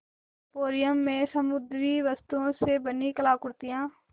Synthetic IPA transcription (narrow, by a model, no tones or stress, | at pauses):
poːɾɪjəmːẽsəmʊd̪ɾiʋəst̪uõsebənikəlaːkʊɾt̪ijãː